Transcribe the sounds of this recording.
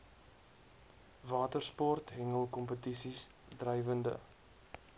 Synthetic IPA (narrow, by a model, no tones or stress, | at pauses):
vɑːtərspɔrtɦɛŋəlˠkɔmpətisis | drɛjvəndə̰